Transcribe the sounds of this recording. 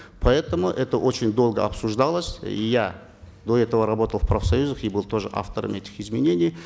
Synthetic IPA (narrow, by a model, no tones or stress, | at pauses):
pʰɐɛt̪əmʊʔɛt̪əʔo̞t͡ɕɪnʲd̪o̞lˠɡəɐ̰psuʐd̪ɑlˠəsʲḭja | d̪o̞ɛt̪əvəɾɐbo̞t̪əlfprɐfsɐjuzəχibɨlˠt̪o̞ʐɨ̰ʔa̰ft̪əɾə̰mɛtʲɪ̥χɪzmʲɪnʲenʲɪj